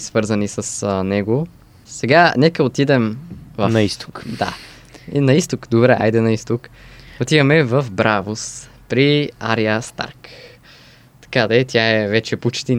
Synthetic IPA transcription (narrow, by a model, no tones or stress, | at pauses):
svɤɾzɐnisəsnɛɡo | sɛɡanɛkəot̪id̪ɛmvɐnɐist̪o̥kd̪a̰ | nɐist̪okd̪obɾɛʔa̰jd̪ɛnɐist̪ʊkot̪ivɐmɛvɐfbɾavos | pɾia̰ɾiəst̪a̰ɾk | t̪ɐ̥kad̪ɐɛt̪ʲjaɛvɛt͡ʃɛput͡ʃt̪i